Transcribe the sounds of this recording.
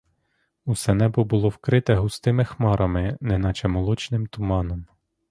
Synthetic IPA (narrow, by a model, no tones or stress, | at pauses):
usɛnɛbʊbʊlˠɔwkɾɪt̪ɛɦʊst̪ɪmɪxmɑɾɐmɪnɛnɐt͡ʃɐmɔlˠut͡ʃnɪmt̪ʊmɑnɔm